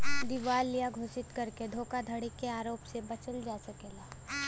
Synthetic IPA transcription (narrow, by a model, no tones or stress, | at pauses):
d̪ɪʋaːlːijaɡʱoːsɪt̪kɐɾked̪ʱoːkad̪ʱɐɽikeaːɾoːpsebɐt͡ʃəld͡ʒaːsɐkeːlaː